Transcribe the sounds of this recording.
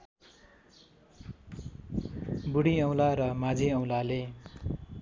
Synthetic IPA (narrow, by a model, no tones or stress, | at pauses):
buɽiʌw̃laɾʌmad͡ziʌw̃lale